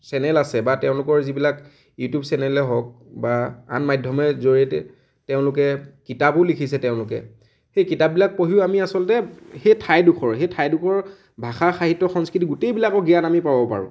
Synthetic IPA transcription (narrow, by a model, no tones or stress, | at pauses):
sɛnɛlasɛbatɛʊ̃lʊkɔɹzibilak | jutijubsɛnɛlɛɦɔk̚baa̰nmajdʱɔmɛzoɹiɛtɛ | tɛʊ̃lʊk̬ɛkitabʊlikʰisɛtɛʊ̃lʊkɛ̰ | xejkitap̚bilak̚poɦiʊamiasɔltɛxejtʰajdukʰɔɹxetʰajdʊkʰɔɹ | bʱaxaxaɦitːɔxɔnskɹitiɡʊtejbilakɔɡijanamipabɔpa̰ɹʊ̰̃